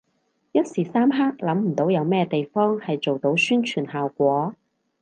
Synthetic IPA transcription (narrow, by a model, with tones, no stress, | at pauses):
jɐ˥t̚siː˨˩saː˥mɦaː˥k̚lɐ˨˥mm̩˨˩t̪o˨˥wjɐ˨˧wmɛː˥t̪e˨jfɔː˥ŋhɐ˨jt͡ʃo˨wt̪o˨˥wsyː˥nt͡ʃʰyː˨˩nhaː˨wkʷɔː˨˥